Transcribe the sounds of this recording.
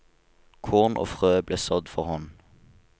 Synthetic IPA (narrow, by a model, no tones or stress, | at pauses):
kʰoːʁnʔo̰ːfʁøːbleːsœd̪fɔʁhɔn